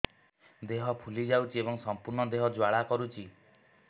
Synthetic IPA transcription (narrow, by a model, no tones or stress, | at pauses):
d̪eɦɔpʰulid͡ʒawt͡ʃʰiebɔŋsɔmpuɾɳɔd̪eɦɔd͡ʒwaɭakɔɾut͡ʃʰi